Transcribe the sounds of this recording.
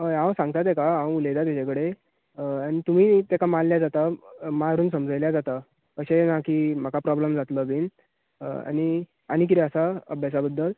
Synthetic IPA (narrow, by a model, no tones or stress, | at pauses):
ɦəjãwsãŋɡ̚t̪at̪ẽkaɦãwulejd̪at̪jat͡ɕakəɽe | añit̪um̤iːt̪ekamanljad͡zat̪amaɾuːnsəmd͡zəjljad͡zat̪a | kəɕenakiːm̤akapɾɔbləmd͡zat̪ləbiːn | a̰ñi | a̰ɽ̃ik̬it̪ɛəsaəbʱjasabəd̪ʱːəl